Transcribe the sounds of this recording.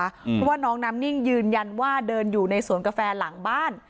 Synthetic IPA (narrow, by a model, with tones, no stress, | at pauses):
pʰɔ˦˥waː˥˩nɔː˦˥ŋnaː˦˥mni˥˩ŋjɯː˧nja˧nwaː˥˩dɤː˧njuː˨˩na˧jsu˨˩˦ənka˧fɛː˧la˩˦ŋbaː˥˩n